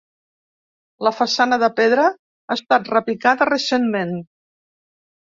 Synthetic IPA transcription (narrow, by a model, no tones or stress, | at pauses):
ləfəsanəðəpeðɾə | aəst̪at̪rəpikaðərəsenmen